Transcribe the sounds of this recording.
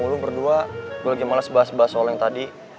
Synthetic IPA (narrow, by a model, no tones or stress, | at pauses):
ulubərduaɡlaɡimalasəbaɦasəbaɦasolɛŋt̪adi